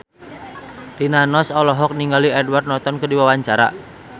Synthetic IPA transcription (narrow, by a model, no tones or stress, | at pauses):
rinanɔsɔlɔɦɔk̚niŋɡaliɛdward̪̚nɔt̪ɔnkədiwawaɲt͡ʃaɾa̰